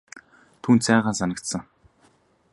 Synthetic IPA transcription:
t̪ʰuːnt̪sæːʁaːnsanə̆kt̪sə̆ŋ

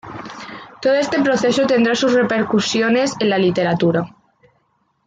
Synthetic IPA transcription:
t̪oðoest̪epɾoθesot̪end̪ɾasuzrepeɾkusjonesenlalit̪eɾat̪uɾa

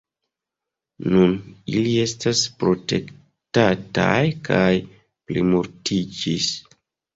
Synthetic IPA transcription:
nunilie̞staspɾo̞te̞̰k | tata̰jkʰaj | plimuɾtid͡ʒis

